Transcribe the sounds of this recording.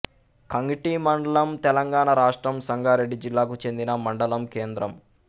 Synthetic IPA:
kɐŋɡiʈimɐɳɖɐlɐmt̪ɛlɐŋɡaːɳɐɾaːʂʈɾɐmsɐŋɡʱaːɾe̞ɖːid͡ʒilːaːkut͡ʃe̞nd̪inɐmɐɳɖɐlɐmkeːnd̪ɾɐm

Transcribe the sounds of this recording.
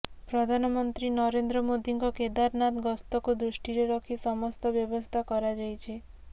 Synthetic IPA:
pɾɔd̪ʱanɔmɔnt̪ɾinɔɾend̪ɾɔmod̪ʱiŋkɔked̪aɾnat̪ɡɔst̪ɔkud̪ɾuʃʈiɾeɾɔkʰisɔmɔst̪ɔbjɔbɔst̪ʰakɔɾad͡ʒajt͡ʃʰe

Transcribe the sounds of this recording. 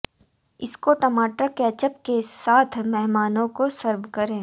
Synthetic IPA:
ɪskoʈɐmaːʈəkeɐt͡ʃəp̚kesaːt̪ʰmɛɦmaːnõkosɐɾʋkɐɾẽː

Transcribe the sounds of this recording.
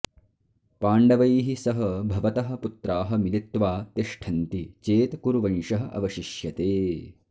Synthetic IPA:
paːɳɖɐʋɐjɦisɐɦɐbʱɐʋɐt̪ɐɦɐ̆put̪ɾaːɦɐmilit̪ʋaːt̪iʂʈʰɐnt̪it͡ʃeːt̪kuɾuʋɐnʂɐɦɐ̆ʔɐ̰ʋɐʃiʃjɐt̪eː

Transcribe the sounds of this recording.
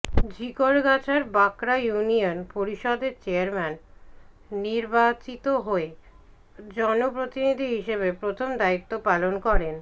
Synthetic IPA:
d͡ʑikoɾɡat͡ɕaɾbakɾajunionpoɾiʃɔd̪eɾt͡ɕeaɾmɛnː | iɾbat͡ɕit̪oɦoe | d͡ʑɔnopɾot̪inid̪ʱiɦiʃeβepɾot̪ʰomd̪ait̪ːopalonkɔɾen

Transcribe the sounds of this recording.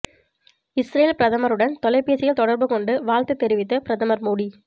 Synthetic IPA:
ɪsɾeːlpɪɾɐðɐmɐɾɯɽɐnt̪ɔlɐɪpːeːsɪjɐlt̪ɔɽɐɾbɯkɔɳɖɯʋaːɻt̪ɯt̪ːɛɾɪʋɪt̪ːɐpɪɾɐðɐmɐɾmoːɽi

